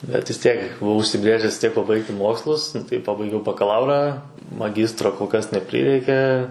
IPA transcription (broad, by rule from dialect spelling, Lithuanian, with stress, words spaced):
bʲɛt ʋʲɪs ˈtʲiɛk bʊˈʋɐʊ ʊʃʲsʲɪˈbʲrʲeːʒʲɛs ʋʲɪs ˈtʲiɛk pɐˈbɐɪktʲɪ ˈmoːkslˠʊs nʊ ˈtɐɪ ˈpɑːbɐɪɡʲɛʊ bɐkɐˈlˠɐʊrɑː mɐˈɡʲɪstroː koːlˠ ˈkɐs nʲɛˈpʲrʲɪrʲɛɪkʲeː